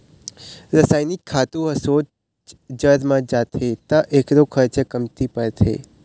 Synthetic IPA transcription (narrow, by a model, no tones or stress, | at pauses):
ɾəsaːjnikʰːaːt̪ũɦəsot͡ʃ | d͡ʒəɾmãd͡ʒat̪ʰet̪ãʔekɾokʰəɾt͡ʃəkəmt̪ipəɾt̪ʰḛː